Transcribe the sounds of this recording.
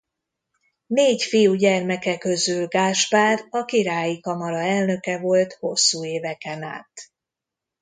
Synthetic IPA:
neːcfijuɟɛrmɛkɛkø̞zylɡaːʃpaːrɒkiɾaːjikɒmɒɾɒɛlnø̞kɛvo̞lt̪ho̞sːuːeːvɛkɛna̰ːt̪

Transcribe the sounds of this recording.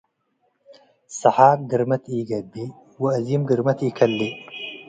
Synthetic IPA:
sɨħaːɡɨɾmɐt̪iːɡɐd̪ːi | wɪɐziːmɡɨɾmɐt̪iːkʰɐlːi

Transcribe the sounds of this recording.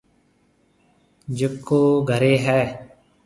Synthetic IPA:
d͡ʒɪkːoːɡʱəɾeːɦɛː

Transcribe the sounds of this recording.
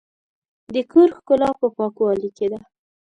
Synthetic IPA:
d̪əkʰoɾxkʊlɑpəpɑkuɑliked̪a

